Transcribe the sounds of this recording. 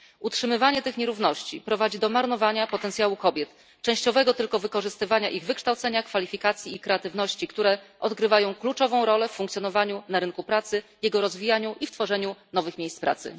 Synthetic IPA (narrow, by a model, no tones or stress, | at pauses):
utʂɘmɘvaɲɛt̪ɘxɲɛɾuvnɔɕt͡ɕipɾɔvad͡ʑid̪ɔmaɾnɔvaɲapɔt̪ɛnt̪sjawukɔbʲjɛt̪ | t͡ʂɛ̃w̃ɕt͡ɕɔvɛɡɔt̪ɘlkɔvɘkɔʐɘst̪ɘvaɲaʔiɣvɘkʂt̪awt̪sɛɲakfalʲifʲikat̪sʲjiːkɾɛat̪ɘvnɔɕt͡ɕikt̪uɾɛʔɔd̪ɡɾɘvajɔ̃w̃klut͡ʂɔvɔ̃w̃ɾɔlɛffũŋkt̪sʲjɔnɔvaɲunaɾɘnkupɾat̪sɘjɛɡɔɾɔzvʲijaɲuʔift̪fɔʐɛɲunɔvɘxmʲejsspɾa̰t̪sɘ̰